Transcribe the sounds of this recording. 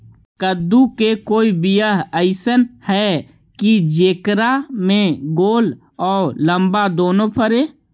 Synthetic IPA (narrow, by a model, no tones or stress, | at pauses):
kəd̪ukekoːibijəɦəɪsənhɛ | kid͡ʒeːkɾamẽɡoːl | ɔːɾlə̃mbad̪oːnopʰəɾeː